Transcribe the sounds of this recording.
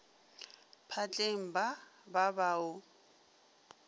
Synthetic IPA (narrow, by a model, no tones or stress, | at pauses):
pʰat͡ɬʼeŋ̩bababaːʊ